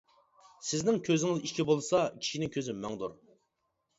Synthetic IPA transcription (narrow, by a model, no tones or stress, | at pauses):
sɪznɪŋkʲʰøzɪŋɪziʃkʲibolˠɨsɑkʲʰi̥ʃinɪŋkʲʰøzɪmːɛŋd̪ṵɾ